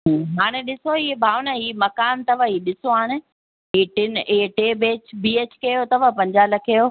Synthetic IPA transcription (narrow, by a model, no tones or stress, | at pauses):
ɦːɦaːɽ̃eɗɪsoiːebʱaːʋnaɦiːmɐkaːnt̪ɐʋ̤ãiːɗɪsoɦaːɽ̃ɪ̆ | ɦiːʈɪneʈeːbeːt͡ɕbiːeːt͡ɕkɐjot̪ɐʋ̤ãpɐ̃ɲd͡ʑaːlɐkʰejoː